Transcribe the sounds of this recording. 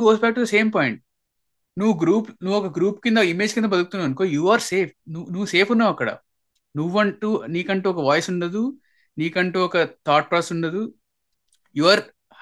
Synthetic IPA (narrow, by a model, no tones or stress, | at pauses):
ɡoːsbɛæːk̚ʈud̪ɐse̞ːmpɔːjiɳʈ̚ | nuʋːuɡɾuːpnuʋːɔkɐɡɾuːp̚kind̪ɐimeːd͡ʒkind̪ɐbɐd̪ukut̪unaːʋɐnkoːjuːaːɾseːp̚ʰnunuʋːuse̞ːpʰunːaːʋɐkːɐɽɐ̰ | nuʋːɐɳʈuːniːkɐɳʈuːɔkɐʋaːjsuɳɖɐd̪u | niːkɐɳʈuːɔkɐt̪ʰaːʈ̚paːsuɳɖɐd̪u | juɐɾ